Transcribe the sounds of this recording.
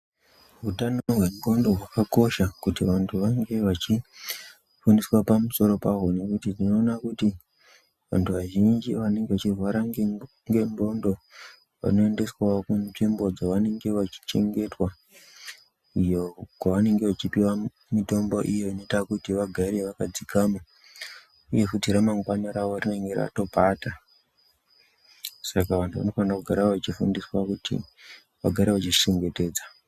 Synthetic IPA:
ɦutanoɦwembo̞ndoɦwakako̞ʃakutiʋantʰuʋaŋɡe̞ʋat͡ʃi | funiswapamuso̞ɾo̞paɦone̞kutitino̞ːnakuti | ʋa̰ntʰuʋaʒind͡ʒiʋane̞ŋɡe̞ʋat͡ʃirwaɾaŋ | ŋɡe̞mbo̞ndo̞ | ʋa̰no̞e̞nde̞swaokunʐimbo̞d͡zaʋane̞ŋɡe̞ʋat͡ʃi̥t͡ʃe̞ŋɡe̞twa | ijokwaʋane̞ŋɡe̞ʋat͡ʃipiwa | mito̞mbo̞ʔijoino̞itakutiʋaɡʱaɾe̞ʋakad͡zikama | uje̞kutiɾamaŋɡwanaɾaʋorine̞ŋɡera̰to̞pata | sakaʋantʰuʋa̰no̞fanakuɡʱaɾaoʋat͡ʃifundiswakutḭ | ʋaɡʱaɾeʋat͡ʃiʃe̞ŋɡe̞te̞ːd͡za

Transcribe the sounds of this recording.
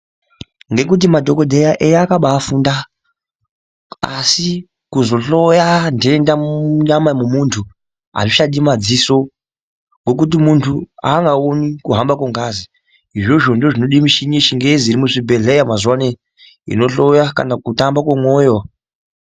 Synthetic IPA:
ŋɡe̞kut̬imadʱoko̞dʱejaʔejakaɓaːfuːnda | a̰si | kuzo̞ɬo̞jandeendauɲamamumuntʰu | a̰ʐiʃaɗimad͡ziso̞ | ŋɡo̞k̬ut̬imuntʰua̰ŋɡaonikuɦambakwoŋɡazi | iʐoʐo̞ndoʐino̞ɗimiʃiɲiʃiŋɡeeziɾimuʐibʱe̞ɮejamazwane | ḭno̞ɬojaka̰nakutambakwemwoːjo

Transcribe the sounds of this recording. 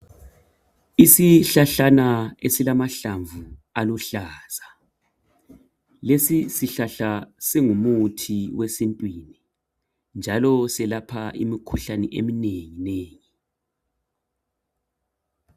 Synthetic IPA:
isiɬaɬanaesilamaɬaɱvualuɬaːz̥a | lesisiɬaɬasiŋumutʰiwesintʼwini | nd͡ʒʱalɔsɛlapʰaʔḭmikʰuɬanɛ̰ʔḛmineŋineːŋi

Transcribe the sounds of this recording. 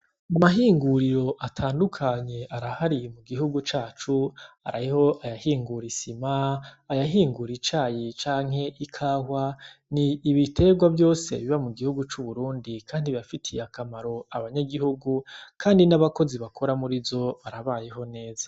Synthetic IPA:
amaɦiːŋɡuɾiɾo̞ʔatʰaːndukʰaɲe̞ʔaɾahaɾimuɡiɦuɡut͡ʃaːt͡ʃu | a̰ɾaiho̞ʔajahiːŋɡuɾisimaajaɦiːŋɡuɾit͡ʃaːjit͡ʃaːŋhe̞ʔikʰaːɦwaniːβitʰe̞ɡwavjo̞ːse̞̰βiβamuɡihuɡut͡ʃuβuɾuːndikʰaːndiβafitʰijakamaɾo̞aβaɲaɡiɦuɡukʰaːndinaβako̞ziβakʰo̞ɾamuɾizo̞βaɾaβaːjeɦo̞ne̞ːza

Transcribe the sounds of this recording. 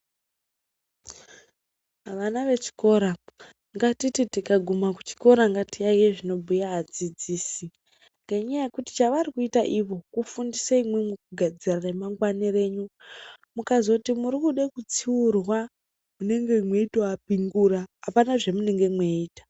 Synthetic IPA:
aʋanaʋe̞t͡ʃi̥ko̞ɾa | ŋɡatititikaɡʱumakut͡ʃi̥ko̞ɾaŋɡatiaieʐino̞bʱujaɦːd͡zid͡ziːsi | ŋɡaiɲajekuti̥t͡ʃaʋarikuitaʔiʋo̞kufundisaimwe̞mwukuɡʱad͡ziranemaŋɡwanire̞ːɲumukazo̞timuɾikuɗekut͡siurwa | mune̞ŋɡe̞mweitoapiŋɡuraːpanaʐe̞mune̞ŋɡe̞mweiːtḁ

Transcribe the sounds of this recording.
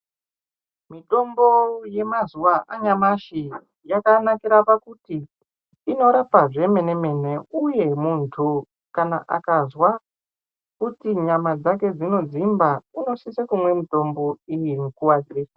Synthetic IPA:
miɗo̞mbo̞je̞mazuwaʔaɲamaʃi | jakanakiɾapakutiː | no̞ɾapaʐe̞me̞ne̞me̞ne̞uje̞muntʰu | kana̰ʔa̰kazwa | kutiɲamad͡zake̞d͡zino̞d͡zimbaino̞sisekumwe̞mito̞mbo̞ijiŋukuad͡zirisḁ

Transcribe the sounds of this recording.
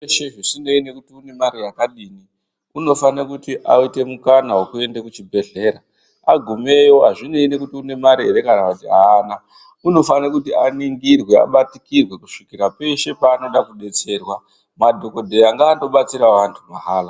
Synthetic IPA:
eʃeʐisine̞ine̞kutiune̞maɾirakaɗiːni | uno̞fanakutiʔaite̞mukanaɦwokue̞ndekut͡ʃibʱe̞ɮe̞ːɾa | aɡʱume̞joɦaʐine̞ine̞kutiune̞maɾiɦeɾe̞kanakutiana | uno̞fanakutianiŋɡirwe̞a̰ɓatikirwe̞ku̥ʂikiɾape̞ʃe̞paːno̞ɗakuɓe̞t͡se̞rwa | madʱo̞ko̞dʱejaŋɡaːndo̞ɓat͡siɾaʋantʰumaɦaːla

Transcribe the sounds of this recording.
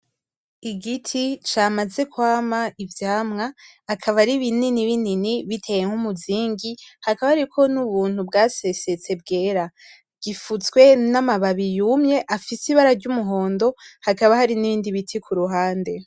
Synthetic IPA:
iɡitʰit͡ʃaːmaze̞kwaːmaivjaːmŋaː | kʰaβaɾiβininiβininiβitʰe̞je̞ŋhumuziːŋɡihakaβaɾikʰo̞nuβuːn̥hubɡaːsese̞t͡se̞b̚ɡe̞ːɾa | ɡ̥ifut͡skwe̞namaβaβijumɲe̞ʔafisiβaɾaɾɟumuɦo̞ːndo̞hakaβahaɾiniβiːndiβitʰikʰuɾuɦaːnde̞

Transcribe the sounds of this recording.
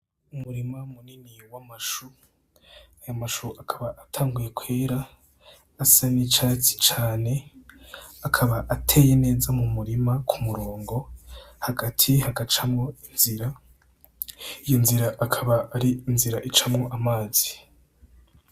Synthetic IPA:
umuɾimamuniniwamaʃu | ajamaʃuʔakʰaβaʔatʰaːŋɡuje̞kweːɾaː | sanit͡ʃat͡si̥t͡ʃaːne̞ | akʰaβaʔatʰe̞ːje̞ne̞ːzamumuɾimakʰumuɾo̞ːŋɡo̞haɡatʰihaɡat͡ʃamŋo̞inziɾa | ijo̞nziɾaʔakʰaβaːɾiinziɾaʔit͡ʃamŋo̞ʔamaːz̥i

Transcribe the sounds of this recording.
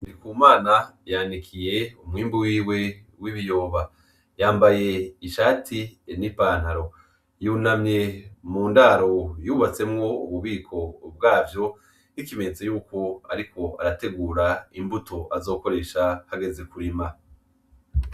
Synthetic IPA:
ndikuːmaːnajandikʰije̞umŋiːmbuwiːwe̞ | wiβijo̞ːβa | jaːmbaje̞iʃaːtʰinipaːnhaɾo̞ | juːnamɲe̞muːndaɾo̞juːβat͡se̞mŋo̞ṵβuβiːkʰo̞b̚ɡaːvjo̞ | ikime̞ɲet͡sejuːko̞a̰ɾiko̞a̰ɾate̞ɡuːɾaimbuto̞ʔazo̞ːko̞ɾe̞ʃahaɡe̞ze̞kuɾima

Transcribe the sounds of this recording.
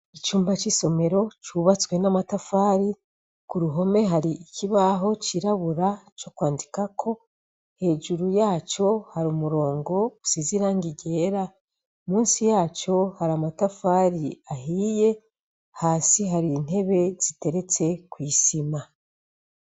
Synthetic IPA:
it͡ʃuːmbat͡ʃiso̞me̞ɾo̞t͡ʃuβat͡swe̞namatafaːɾi | kuɾuɦo̞me̞ɦaɾiːkiβaɦo̞t͡ʃiɾaβuɾat͡ʃo̞kwaːndikakʰo̞ | he̞ːʒuɾujaːt͡ʃo̞haɾumuɾo̞ːŋɡo̞usiziɾaːŋɡiɟe̞ɾa | umuːnsijaːt͡ʃo̞haɾamatafaːɾiahiːje̞ | haːsiɦaɾin̥e̞βe̞z̥ite̞ɾe̞t͡se̞kwiːsima

